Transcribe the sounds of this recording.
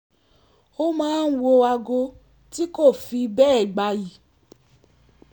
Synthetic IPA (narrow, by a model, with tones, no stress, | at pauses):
o˦mãː˨˦n̩˦wo˧wa˧ɡo˧ | ti˦ko˦˨fi˧bɛː˦ɛ˦˨ɡ͡ba˧ji˨